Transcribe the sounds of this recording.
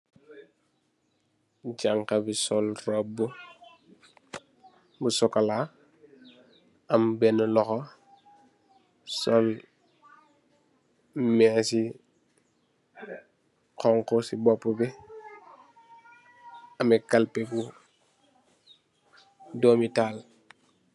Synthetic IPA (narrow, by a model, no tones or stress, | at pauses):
ɟaŋkabisɔlrɔbu | busɔkala | ɐmbɛnəlɔxɔ | sɔl | mɛsi | kɔŋkɔsibɔpːubɛ | ɐmɛkalpebu | doːmitaːl